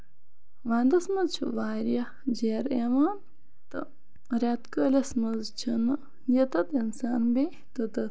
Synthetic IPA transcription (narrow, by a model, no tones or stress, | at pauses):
ʋaːnd̪ɐsmɐzt͡ʃʰuʋaːɾjɐ | d͡ʒeːɾeʋaːn | t̪ɨ̰ | ɾʲat̪kəːlʲɐsmɐzt͡ʃʰɐnɨ | jɐt̪ɐt̪insaːnbe | t̪ɐt̪ɐ